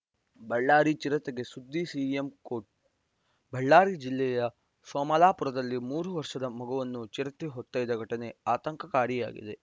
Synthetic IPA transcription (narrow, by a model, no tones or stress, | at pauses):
bɐɭːaːɾit͡ʃiɾɐt̪ɐɡe̞sud̪ːisiːemkoːʈ̚ | bɐɭːaːɾid͡ʒilːɛjɐ | sɔːmɐlaːpuɾɐd̪ɐlːimuːɾuʋɐɾʂɐd̪ɐmɐɡɐʋɐnːut͡ʃiɾɐt̪iɦɔt̪ːaːjd̪ɐɡʱɐʈɐne̞aːt̪ɐŋkɐkaːɾija̰ːɡḭd̪e̞